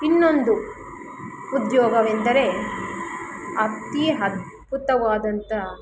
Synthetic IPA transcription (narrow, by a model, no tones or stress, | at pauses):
inːo̞nd̪u | ud̪jɔːɡɐʋend̪ɐɾe̞ | ɐt̪ːiɦɐt̪ | put̪ɐʋaːd̪ɐnt̪ɐ